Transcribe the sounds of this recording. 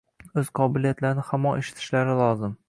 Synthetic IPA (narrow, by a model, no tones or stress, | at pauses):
ɵz̥qʰɒbɪlijat̪laɾɪnɪhamːɒnʔeʃɪ̥t̪ʰɪ̥ʃlaɾɪlˠɒzɪm